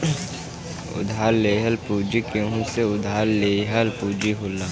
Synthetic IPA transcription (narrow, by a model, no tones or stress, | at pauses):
ʊ̰d̪ʱaːɾːeːɦəlpuːd͡ʒikẽɦũseʊd̪ʱaːɾleːɦəlpud͡ʒiɦolːa